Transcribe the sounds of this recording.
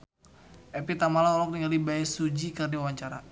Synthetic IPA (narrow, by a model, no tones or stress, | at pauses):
ʔɛpit̪amalaɔlɔk̚t̪iŋɡalibaisud͡ʒikardiawaɲt͡ʃaɾa̰